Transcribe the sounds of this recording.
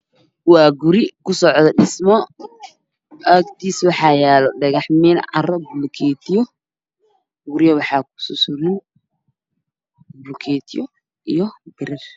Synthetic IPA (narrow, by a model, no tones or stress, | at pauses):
wɑːɡʊɾɪkʰʊsɔʕd̪ɐɖɪsmɔ | ʔɐkt̪ʰiːswɑħɑːjɛːlɔɖɐɣɑħmɛnʕɑ̰rɐbʊlkʰɛːt̪ʰɪjɔ | ɡʊɾɪjɐwɑħɑːkʰʊ̥sʊsʊɾɪn | bʊlkʰɛːt̪ʰɪjɔ | ʔijɔb̥ɪɾɛr